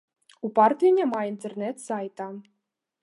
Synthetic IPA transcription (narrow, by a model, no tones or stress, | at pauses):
upart̪ʲinʲemaint̪ʲernʲɛt̪sajt̪a